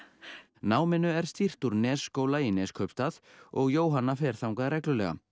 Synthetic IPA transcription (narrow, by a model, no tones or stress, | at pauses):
naːwmɪnʏɛɾ̥st̪ir̥t̪uɾnɛːsːkoːwlainɛskʰœɥpst̪aðɔɣjoːwɦanːafɛːɾ̥θawŋkaðɾɛjklʏlɛɣa̰